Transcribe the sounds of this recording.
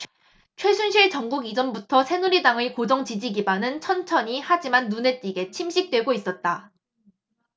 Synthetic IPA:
t͡ɕʰwe̞sʰunɕʰiɭt͡ɕʌŋɡuɡid͡ʑʌmbutʰʌsʰe̞nuɾidaŋɯɭkod͡ʑʌŋt͡ɕid͡ʑiɡibanɯnt͡ɕʰʌnt͡ɕʰʌɲihad͡ʑimanːune̞t͈iɡe̞t͡ɕʰimɕʰik̚t͈we̞ɡois͈ʌt̚t͈a

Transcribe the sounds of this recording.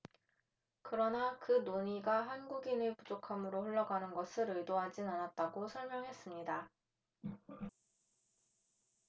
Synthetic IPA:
kɯɾʌnakɯnoɲiɡaɦanɡuɡinɯpud͡ʑokʰamɯɾoɸuɭːʌɡanɯnɡʌsʰɯɾɯɭdoɦad͡ʑinanat̚t͈aɡosʰʌɭmjʌŋɦe̞s͈ɯmɲida

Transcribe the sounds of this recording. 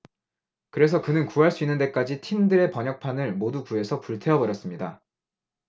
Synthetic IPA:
kɯɾe̞s̬ʰʌkɯnɯnkuɦaɭs͈uinːɯnde̞k͈ad͡ʑitʰimdɯɾe̞pʌɲʌk̚pʰanɯɭmodukue̞sʰʌpuɭtʰe̞ʌbʌɾjʌs͈ɯmɲida

